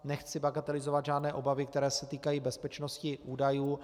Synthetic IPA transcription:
nɛxt͡sɪbaɡat̪ɛlɪzovat̪ʒaːdnɛːʔo̞bavɪkt̪ɛɾɛːsɛt̪iːkajiːbɛspɛt͡ʃnoscɪʔuːdajuː

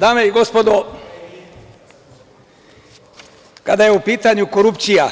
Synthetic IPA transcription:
d̪aːmeiɡospod̪o | kad̪ajeupiːt̪aɲukoɾupt̪sija

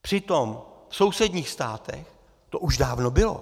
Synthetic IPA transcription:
pr̥ɪt̪omfsowsɛdɲiːxst̪aːt̪ɛ̰x | t̪oʔuʒdaːvnobɪlo̰

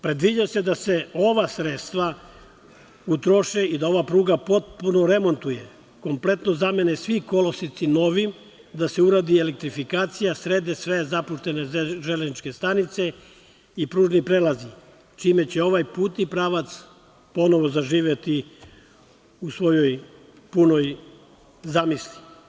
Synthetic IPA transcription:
pɾe̞d̪ʋid͡ʑase̞d̪ase̞o̞ʋasɾet̪st̪ʋa | ut̪ɾoʃeid̪ao̞ʋapɾuːɡapo̞t̪̚puno̞ɾe̞mo̞nt̪uje̞ | ko̞mple̞t̪no̞zame̞nesʋiko̞losit̪sino̞ʋim | d̪ase̞uɾaːd̪ielek̚t̪ɾifikaːt̪sijasɾeːd̪esʋe̞zapuʃt̪e̞ne̞ʒeleznit͡ʃke̞st̪anit̪se̞ | ipɾuːʒnipɾelazi | t͡ʃiːme̞t͡ɕe̞o̞ʋajpuːt̪ipɾaːʋat̪s | po̞no̞ʋo̞zaʒiːʋjet̪i | usʋo̞jo̞j | puno̞j | zamisli

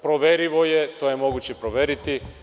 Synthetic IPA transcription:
pɾoʋeɾiʋojet̪ojemoɡut͡ɕepɾoʋeɾit̪i

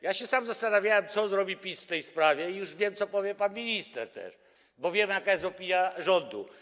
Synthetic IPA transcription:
jaɕɛsamzast̪anavʲjawɛmt̪sɔzɾɔbʲipʲisft̪ɛjspɾavʲjɛijuʐvʲjɛmt̪sɔpɔvʲjɛpanmʲiɲʲist̪ɛ̰ɾt̪ɛ̰ʂ | bɔvʲjɛmjakajɛst̪ɔpʲinʲjaʐɔnd̪ṵ

